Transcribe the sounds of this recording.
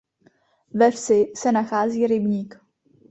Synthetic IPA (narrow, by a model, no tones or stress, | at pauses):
vɛfsɪsɛnaxaːziːɾɪbɲiːk